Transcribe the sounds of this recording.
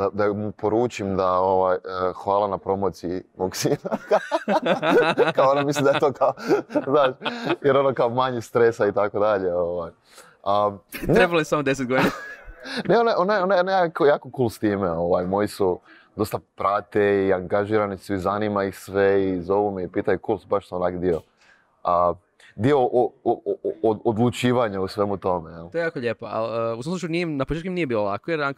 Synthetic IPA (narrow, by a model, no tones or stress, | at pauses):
d̪ad̪amupoɾuːt͡ʃimd̪ao̞ʋajəxʋaːlˠanapɾo̞mo̞ːt̪siimoksinaka | kaoonamisllimd̪ajet̪o̞ːkaoznaːʃjeɾo̞nokaomaɲist̪ɾesait̪ako̞d̪aʎe̞o̞ʋaːj | anɾebaloesamod̪es̬et̪̚ɡod̪inaaneo̞naeʔo̞najeonajonajakojaːkokuːlˠst̪iːmeo̞ʋaːjmo̞jisu | d̪o̞st̪apɾat̪eiaŋɡaʒiːɾanisuizaniːmaixsʋeizo̞ʋumeipiːt̪ajukolsubaʃsoonakd̪io | ə | d̪ioʔo | od̪lˠut͡ʃiːʋaɲausʋe̞mut̪o̞mejelojejaːkoʎeːpoa̰ləusamsut͡ʃujunimnapot͡ʃet̪kuimniːje̞biːlolakojeɾaŋk